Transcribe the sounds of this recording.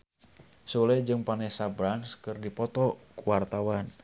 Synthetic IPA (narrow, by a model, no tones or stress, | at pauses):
sulɛd͡ʒɨŋpanɛsabɾanskɨrdipɔt̪ɔkuwart̪awan